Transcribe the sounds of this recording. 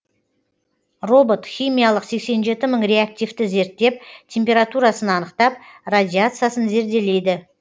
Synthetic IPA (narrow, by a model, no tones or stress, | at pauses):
ro̞bo̞t̪χʲijmʲijalˠəqse̞kse̞nʒe̞t̪ɪməɴrʲe̞ak̚t̪ʲijft̪ɪze̞ɾt̪ːe̞p̚t̪ʲʰe̞mpʲe̞ɾat̪uɾasənɑnəqt̪ɑp̚radʲiat̪sɨjasənze̞ɾd̪e̞le̞jd̪ɪ